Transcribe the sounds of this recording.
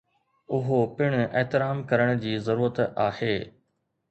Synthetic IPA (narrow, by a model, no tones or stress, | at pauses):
ʊɦopɪɽ̃eɦt̪ɪɾaːmkɐɾəɽ̃̆d͡ʑiːzɐɾuːɾət̪aːheː